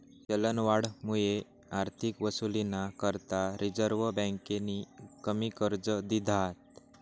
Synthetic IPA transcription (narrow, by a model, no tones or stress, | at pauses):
t͡ɕələnʋaɽmuje | aɾt̪ʰikʋəsulinakəɾt̪aɾid͡zəɾʋəbɛ̃ŋkenikəmikəɾd͡zəd̪id̪ʱat̪̚